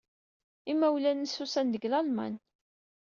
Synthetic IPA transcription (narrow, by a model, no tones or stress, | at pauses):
imːæwlænəsusænd̪əɡlɑlmæ̰n